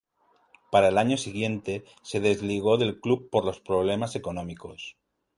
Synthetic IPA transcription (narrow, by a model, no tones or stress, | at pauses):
paɾaelaɲo̞siɣje̞nt̪e̞ | se̞ð̞e̞zliɣ̞o̞ðe̞lklup̚pːo̞ɾlo̞spɾo̞β̞le̞mase̞ko̞nõ̞miko̞s